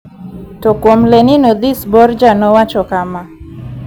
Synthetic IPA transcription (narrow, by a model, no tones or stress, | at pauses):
tɔkwomlenɪnɔd̪isbɔrd͡ʒanɔwat͡ʃɔkama